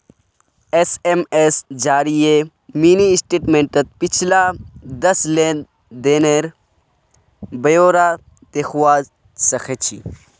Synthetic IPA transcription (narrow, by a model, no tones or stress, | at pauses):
esemesd͡ʒaːɾije | miːniɪsʈeːʈmẽɳʈɐt̪̚pɪt͡ʃʰlad̪ɐsle | d̪eːneɾ | bɐjoːɾaː | t̪eːxuwaː | sɐxʰet͡ʃʰḭ